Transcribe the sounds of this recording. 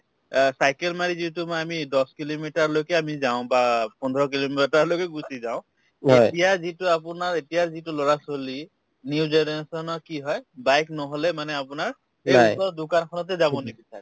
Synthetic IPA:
sajkɛlmaɹizitumɔamidɔskilomitaɹlojkɛamizaʊ̃bapɔndʱɔɹɔk̬ilomiitaɹlojkɛɡusizaʊ̃ | ɦetijazitʊapʊnaɹetijazitʊlɔɹasoli | niuzɛnɛɹasɔnɔkiɦɔjbajknɔɦɔlɛmanɛapʊnaɹ | eatɔdʊkankʰɔnɔt̬ɛzabɔnikisʰa

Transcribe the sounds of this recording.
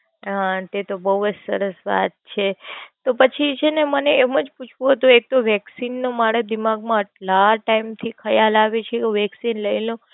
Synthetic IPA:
at̪et̪obəɦuəd͡ʒsə̰ɾəsʋa̰t̪̚t͡ʃʰet̪opət͡ʃʰit͡ʃʰeneməneːməd͡ʒput͡ʃʰʋũɦət̪ũek̚t̪oʋɛksinːomaɽed̪imaɡmãəʈlaʈaimt̪ʰikʰəjalaʋet͡ʃʰekoʋɛksinləilõ

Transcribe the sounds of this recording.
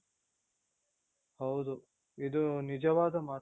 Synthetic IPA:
hɐwd̪u | id̪onid͡ʒɐʋaːd̪ɐma

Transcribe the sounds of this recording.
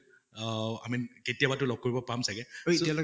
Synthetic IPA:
a̰minketiabatʊlɔɡ̚kːoɹibɔpamsaɡɛojialɔ

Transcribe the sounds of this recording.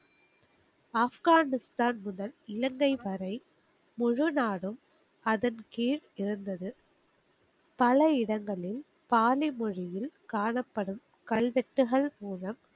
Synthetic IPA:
aːfɣaːnɪst̪aːnmʊðɐlɪlɐŋɡɐɪʋɐɾɐɪ | mʊɻʊnaːɽɯm | ʔɐðɐnkiːɻɪɾɯnd̪ɐðɯ | pɐlɐɪɽɐŋɡɐɭɪl | paːlɪmɔɻɪjɪlkaːɳɐpːɐɽɯm | kɐlʋɛʈːɯɣɐɭmuːɻɐm

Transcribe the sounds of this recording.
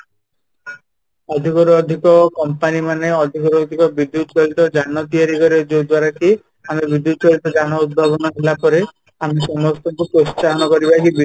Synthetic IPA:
ɔd̪ʱikɔɾuɔd̪ʱikɔkɔmpanimaneɔd̪ʱikɔɾuɔd̪ʱikɔbid̪ːut̪t͡ʃɔɦit̪ɔd͡ʒanɔt̪iaɾikɔɾed͡ʒod̪waɾaki | amebid̪ːut̪t͡ʃɔɦit̪ɔd͡ʒanɔud̪̚bʱabɔnɔɦelapɔɾe | amisɔmɔst̪ɔŋkupɾost͡ʃaɦɔnɔkɔɾibakibi

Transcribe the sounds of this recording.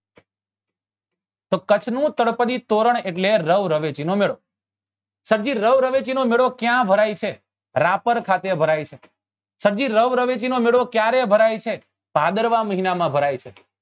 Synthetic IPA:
t̪okət͡ʃʰnũt̪əɽpəd̪it̪oɾəɳeʈleɾəʋɾəʋet͡ʃinomeɭo | səɾd͡ʒiɾəʋɾəʋet͡ʃinomeɭokjãbʱəɾajt͡ʃʰe | ɾapəɾkʰat̪ebʱəɾajt͡ʃʰe | səɾd͡ʒiɾəʋɾəʋet͡ʃinomeɭokjaɾebʱəɾajt͡ʃʰe | pad̪əɾʋaməɦinamãbʱəɾajt͡ʃʰe

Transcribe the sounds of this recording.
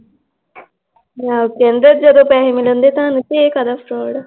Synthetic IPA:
jakend̪ɾət̪̚d͡ʑad̪opaɦemilənd̪et̪ãnit̪ekad̪afɾɔɽ

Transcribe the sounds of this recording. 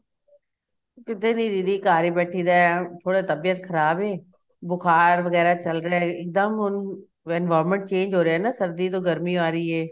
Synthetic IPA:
kɪt̪eːnĩːd̪id̪iːkaːɾiːbɛːʈʰiːd̪aːt̪ʰoːɽeːt̪əbɪjət̪kʰəɾaːbeː | bʊkʰaːɾʋəɡɛːɾaːt͡ʃəlɾeaɛɪk̚d̪əmʊn | ɛnʋaːɾmə̃ɳʈ̚t͡ʃẽːnd͡ʒɦoːɾeaːnaːsəɾd̪iːt̪̬oːɡəɾmiːaːɾəiːɛː

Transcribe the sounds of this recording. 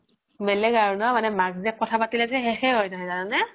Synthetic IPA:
bɛlɛɡaɹunɔmanɛmaɡzɛk̚kɔtʰapatilasɛxɛxɛɦɔjnaɦɔjzananɛ

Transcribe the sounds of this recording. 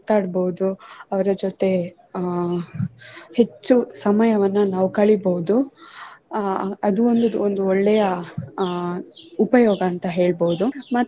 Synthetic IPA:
t̪aːɖboud̪uɐʋɐɾɐd͡ʒot̪e̞ | he̞t͡ʃːusɐmɐjɐʋɐnːunaːʋukɐɭiboɦud̪u | ɐd̪uond̪uond̪uɔɭːɛjɐ | upɐjɔːɡɐːnt̪ɐɦe̞ːɭboud̪umɐt̪ː

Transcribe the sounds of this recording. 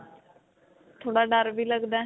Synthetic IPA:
t̪ʰoːɽaːɖəɾʋiːləɡd̪aː

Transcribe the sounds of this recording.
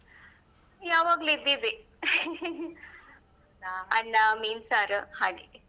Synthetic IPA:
jaːʋaːɡluid̪id̪i | ɐnːamiːnsaːɾɨhaːɽḭ

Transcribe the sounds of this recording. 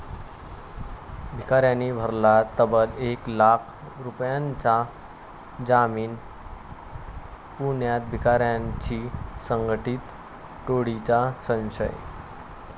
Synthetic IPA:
bʱikaɾjanːibʱəɾlat̪əbəleklakʰ | ɾupjaɲt͡sa | d͡zamiːn | puɳjat̪̚bʱikaɾjaɲt͡ɕiːsəŋɡəʈit̪ | ʈoɽit͡ɕasə̃w̃ɕə̰j

